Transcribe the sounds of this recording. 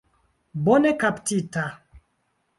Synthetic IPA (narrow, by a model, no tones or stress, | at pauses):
bɔnɛkaptita